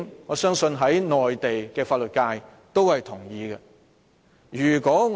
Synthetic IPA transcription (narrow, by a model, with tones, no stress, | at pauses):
ŋɔː˨˧˥sœː˥ŋsɵ˧nɦɐ˨˥jnɔː˨jt̪e˨jkɛː˧faː˧t̚lɵ˨t̚kaː˧j | t̪o˥whɐ˨jt̪ʰʊ˨˩ŋjiː˨˧ɡɛ˧ | jyː˨˩kɔː˨˥ŋ